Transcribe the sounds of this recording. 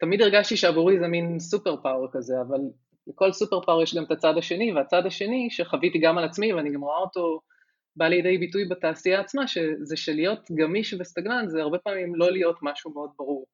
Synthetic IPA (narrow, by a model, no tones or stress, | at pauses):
tamid̪eʁɡaʃtiʃeavuʁizeminsupeʁpawʁkaze̞aval | leko̞lsupe̞ʁpawʁjeʃɡamt̪at͡sadaʃe̞niveat͡sadaʃe̞niʃeχavitiɡamalat͡smiveaniɡamʁoaoto̞ | baliede̞jbitujbataːsiaːt͡smaʃe̞zeʃelijo̞tɡamiʃvest̪aɡnanzeaʁbe̞paːmimlo̞lijo̞tmaʃumeo̞d̚baʁuʁ